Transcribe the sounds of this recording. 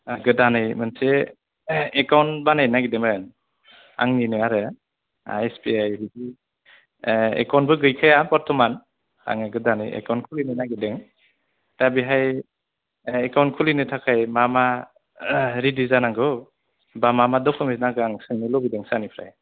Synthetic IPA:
aɡɯdanɯjmɯnse | ekawnbanajnaɡidemɯn | a̰ŋninɯaɾɯ | a̰espiajhidi | ḛkawnbɯɡɯjkʰajapɔɾtʰɔman | a̰ŋɯɡɯdanɯ̰jḛkawnkʰulinɯjnaɡideŋ | tabiɦaj | ekawntkʰulinɯtʰakʰajmama | ɾidizanaŋɡɯw | bamamadɔkʰɯmisnaɡɯaŋsɯŋnɯlɔbideŋsanipʰɾa̰j

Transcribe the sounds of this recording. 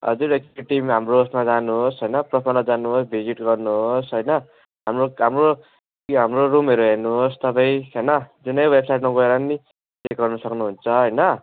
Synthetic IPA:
ʌ̰d͡zuɾekʈimɦamroːsmad͡zanuɦosɦʌjnʌprʌpʰʌnʌd͡zanuɦosbʱid͡ziʈɡʌrnuɦosɦʌjnʌ | ɦamroɦamro | ɦamrorumeɾuɦernuɦost̪ʌpãĩkanʌd͡zunʌjwebsajʈmaɡʌeɾʌni | t͡sek̚ɡʌrnʌsʌknuɦunt͡sʰʌɦʌjnʌ

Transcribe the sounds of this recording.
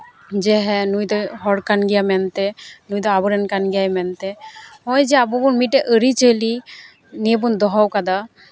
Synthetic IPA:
d͡ʒɛɦɛnujd̪ɔɦɔɽkanɡijamɛnt̪ɛnujd̪ɔabɔɾɛnkanɡiajmɛnt̪ɛɔjd͡ʒɛabubunmiʈɛʔəɾit͡ʃəli | nebund̪ɔɦawkad̪a

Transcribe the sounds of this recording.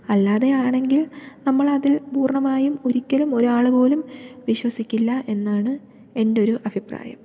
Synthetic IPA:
ɐlːaːðeaːɳe̞ŋɡilnɐmːɐɭɐðilpuːrɳɐmaːjumoɾikʲːɐlumo̞ɾuaːɭɨbo̞ːlumʋiɕwɐsikʲːilːɐʔe̞nːaːɳɨ | e̞ndo̞ɾuʔɐbʱipra̰ːjɐ̰m

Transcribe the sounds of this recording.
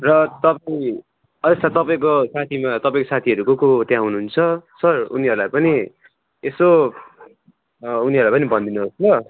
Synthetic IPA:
rʌt̪ʌpaĩ | ʌd̪ʌst̪ʰat̪ʌpaĩkosat̪ʰimat̪ʌpaĩkosat̪ʰiɦʌɾukokot̪jãɦunuɦunt͡sʰʌsʌruniɦʌɾulajpʌni | eso | uniɦʌɾlajpʌnibʌnd̪inuɦoslʌ

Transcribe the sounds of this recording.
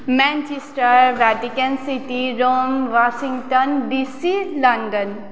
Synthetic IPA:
mɛ̃nt͡ʃisʈəɾʋɛʈikənsiʈiɾoːmʋaʃĩŋɡʈənɖisilɐ̃ɳɖən

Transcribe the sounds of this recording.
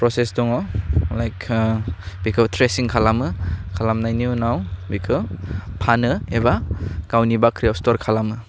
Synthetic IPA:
pɾɔsesdɔŋɔlajk | bikʰɯtʰɾesiŋkʰalamɯkʰalamnajniunawbikʰɯpʰanɯebakawnibakʰɾijɔstɔɾkʰalamɯ

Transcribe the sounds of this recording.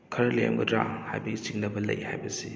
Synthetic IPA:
kʰɐɾɐlḛmɡɐdɾa̰ha̰jbɐɡit͡ʃiŋlɐbɐlɐ̰jhajbɐsi

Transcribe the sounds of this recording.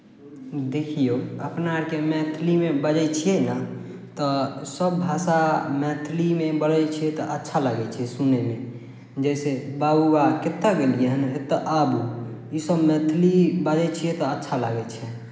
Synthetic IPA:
d̪ekʰijoəpnaɾkemɛ̃t̪ʰlimebəd͡ʒɛt͡ʃʰiena | t̪ɔsəbːʱasamɛ̃t̪ʰlimebəɽɛt͡ʃʰijet̪ɔʔətːʃʰalaɡɛt͡ʃʰiɛsuneme | d͡ʒɛɪsebabubaket̪ːəɡelieɦənɦet̪ɔʔabuisəbmɛ̃t̪ʰlibəd͡ʒɛt͡ʃʰiɛt̪ɔətːʃʰalaɡɛt͡ʃʰɛ

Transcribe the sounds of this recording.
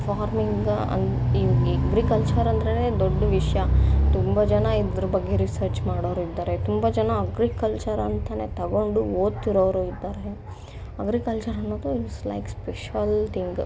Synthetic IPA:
faːɾmiŋɡ | ɐ̰niɡɐɡɾikɐlt͡ʃɐɾɐnd̪ɾɐled̪ɔɖːɐʋiʂjɐt̪umbɐd͡ʒɐnɐid̪ɾɐbɐɡːe̞ɾisɐɾt͡ʃmaːɽoːɾuid̪ːaːɾet̪umbɐd͡ʒɐnɐːɡɾikɐlt͡ʃɐɾɐnt̪ɐne̞t̪ɐɡo̞ɳɖuoːd̪t̪iɾoːʋɾuid̪ːaːɾe | ɐɡɾikɐlt͡ʃɐɾɐnːoːd̪uiʈsla̰jkspeʃʋɐlt̪ʰiŋɡ

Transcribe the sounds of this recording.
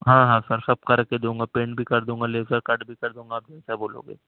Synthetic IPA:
ɦãːɦãːsɐɾsɐb̚kɐɾked̪ũːŋɡapẽːɳʈbʱikɐɾd̪ũːŋɡaleːzəɾkɐɖbʱikɐɾd̪ũːŋɡaːb̚d͡ʒ̪ɛnsaboːlõ̰ːɡḛː

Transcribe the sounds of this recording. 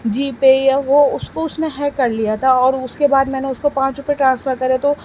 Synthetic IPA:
d͡ʒiːpejaʋoʊskoʊsneɦɛkːɐɾlijat̪ʰaɔːɾʊskebaːd̪mɛːneʊskopãːt͡ʃɾʊpeʈɾãːnsfəɾkɐɾet̪o

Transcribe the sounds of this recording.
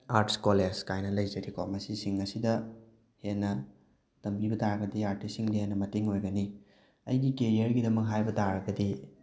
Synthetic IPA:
aɾtskoled͡ʒkajnɐlɐjzɐɾiko̰mɐsisiŋɐsidɐ | henːɐ | tɐmbibɐtaɾɐɡɐdiaɾtisiŋdihenːɐmɐteŋojɡɐni | ɐ̰jɡikeɾiɐɾɡidɐmɐk̚ɦajbɐtaɾɐɡɐdi

